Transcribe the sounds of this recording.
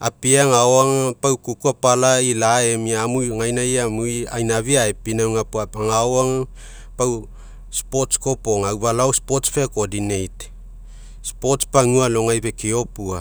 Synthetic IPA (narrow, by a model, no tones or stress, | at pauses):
apiaŋaoaŋapawkukuapalailaemiamujŋajnajamujajnaβiaepinawŋapuapaŋaoaŋa | paw | spo̞tsko̞po̞ŋawβalawspo̞tspekodinejt | spo̞tspaŋualo̞ŋajbe̞kio̞pua